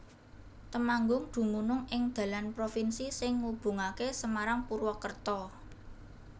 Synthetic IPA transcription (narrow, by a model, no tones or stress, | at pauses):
t̪əmaŋɡʊŋd̪̥ṳmunʊŋɪŋd̪̥ä̤lanpɾofinsisɪŋːub̥ṳŋakesəmaɾaŋpuɾwɔkərt̪ɔ